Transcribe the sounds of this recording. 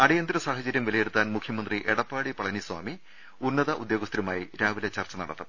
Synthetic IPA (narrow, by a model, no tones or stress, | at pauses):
ɐɽijɐnd̪ɾɐsaːɦɐt͡ɕɐɾjɐmʋilɐjeɽut̪ːaːnmukʰjɐmɐnd̪riʔeɽɐpːaːɽipɐɭɐniswa̰ːmi | unːɐðɐʔud̪joːɡɐst̪ɾɐmaːjiɾaːʋilɐt͡ɕɐrt͡ɕɐnɐ̰ɽɐt̪ːɐm